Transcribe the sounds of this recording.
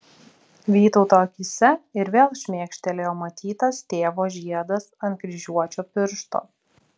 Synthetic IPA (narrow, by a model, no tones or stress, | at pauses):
ʋʲiːt̪ɔʊt̪oːɐkʲɪsʲɛɪɾʋʲeːlˠʃʲmʲeːkʃʲt̪ʲɛlʲeːjoːmɐt̪ʲiːt̪ɐst̪ʲeːʋoːʒʲiɛd̪ɐsɐnkɾʲɪʒʲuɔt͡ʃʲoːpʲɪɾʃt̪o̰ː